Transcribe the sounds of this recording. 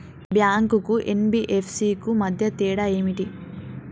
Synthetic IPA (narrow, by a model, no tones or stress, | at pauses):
bjaːŋkukuʔenbiʔepʰsiːkumɐd̪ʱjɐt̪iːɽɐeːmiʈi